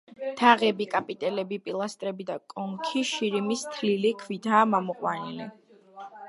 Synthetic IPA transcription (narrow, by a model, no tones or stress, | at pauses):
d̪̥ʰaʁɛbikʼapʼit̪ʼɛlɛbipʼilˠast̪ʼɾɛbid̪akʼɔŋkʰiʃiɾimist̪ʰlilikʰvid̪aːmamɔqʼwanili